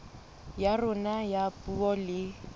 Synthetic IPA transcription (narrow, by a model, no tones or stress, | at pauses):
jarʊnajapʼuɔlɪ